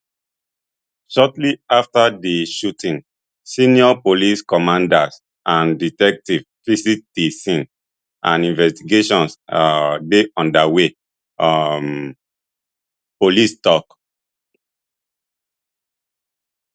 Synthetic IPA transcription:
ʃɔtliaftadiʃutʰĩn | sĩniɔpoliskɔmãndas | ãnditɛk̚tivfisik̚tisĩn | ʔãnĩnvɛstiɡeʃɔ̃ns | deʔɔ̃ndawe | m | polistɔk

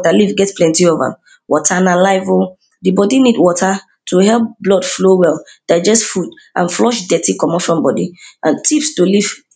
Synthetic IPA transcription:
talivɡɛtsplɛ̃ntiova̰ | wɔ̰tʰanalaɪvo | dibɔdinidwɔtʰa | tʰuhɛlˠp̚blɔd̥flowɛlˠ | d̥aɪd͡ʒɛstfud | ʔã̰nflɔʃdɛtikɔ̃mɔfɹɔ̃mbɔdiʔãntʰifstoliv̥

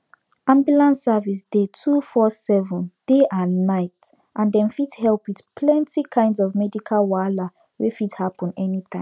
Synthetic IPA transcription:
ãmbjulãnsːavis̬d̥etʰufɔsɛvə̃nd̥eʔãnːaɪt | ʔãndɛ̃nfithɛlˠpwið̥pʰlɛ̃ntikʰãɪ̃ndzɔvmɛdikʰalwala | wefithapə̃nɛnit̪ãɪ̃m

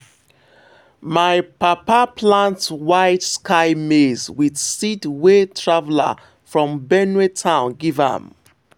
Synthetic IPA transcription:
maɪpapapʰlãntwaɪtskaɪmezwiðsidwetʰɹavla̰ | fɹɔ̃mbɛnwetʰãʊ̃nɡivã̰m

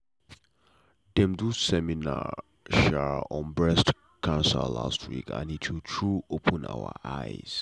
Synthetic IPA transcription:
dɛ̃mdusɛmina̰ | ʃaɹɔ̃nbɹɛst | kʰãnsə̰la̰stʰwḭkʰã̰nitʰwitʰɹuopʰə̃na̰ʊə̰ʔaɪz̥

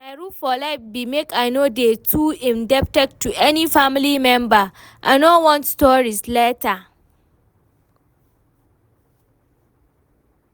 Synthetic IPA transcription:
maɪɹufɔlaɪfbimekaɪnodetʰuɪ̃ndɛp̚tɛk̚tːuʔɛnifamlimɛ̃mba | ʔa̰ɪnɔwɔ̃ntstɔɹisleta

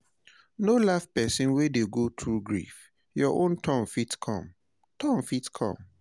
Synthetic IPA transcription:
nolafpɛsĩnwedeɡotʰɹuɡɹḭf | jɔʔõntʰɔ̃mfitkʰɔ̰̃m | tʰɔ̃nfitkʰɔ̰̃m

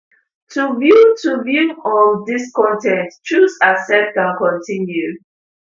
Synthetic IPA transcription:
tʰuvjutʰuvjuɔldiskɔ̃ntɛ̃ntt͡ʃusasɛt̚kãnkɔ̃ntĩnju

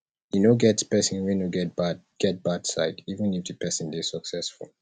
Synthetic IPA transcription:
junoɡɛtspɛsĩnwinoɡɛba | ɡ̥ɛt̚b̥adsa̰ɪkivə̃nifdɨpʰɛsə̃ndesəksɛsfṵl

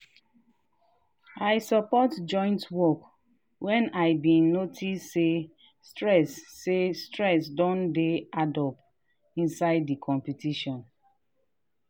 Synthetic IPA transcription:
aɪsɔpɔtd͡ʒɔ̃ɪ̃ntwɔk | wɛ̃naɪbĩnotʰise | stɹɛsːestɹɛsdɔ̃ndeadɔp | ĩnsaɪdːikʰɔ̃mpitiʃɔ̃n

